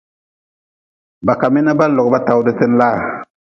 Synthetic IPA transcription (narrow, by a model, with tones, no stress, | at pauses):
ba˨ka˨mi˦na˦ba˦lɔ˨ɡba˦ta˨wdə˦te˦n˦laː˦˨